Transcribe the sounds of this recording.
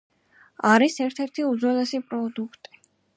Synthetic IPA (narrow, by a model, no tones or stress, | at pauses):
aɾisɛɾt̪ʰɛɾt̪ʰiuzɔnɛsipʼɾɔd̪ukʰt̪ʼi̥